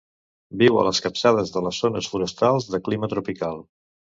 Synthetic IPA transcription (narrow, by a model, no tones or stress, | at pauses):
biwə̰ləskəpsaðəzðələzːonəsfuɾəst̪alˠzðəklimət̪ɾupikalˠ